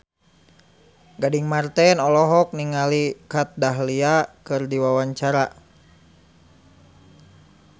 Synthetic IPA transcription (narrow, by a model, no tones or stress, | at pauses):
ɡadiŋmart̪ɛnɔlɔɦɔk̚niŋalikat̪̚daɦliakɨrdiwawaɲt͡ʃaɾa